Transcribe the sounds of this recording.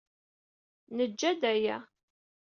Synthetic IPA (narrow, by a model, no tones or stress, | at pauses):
nəd͡ʒːæd̪æjæ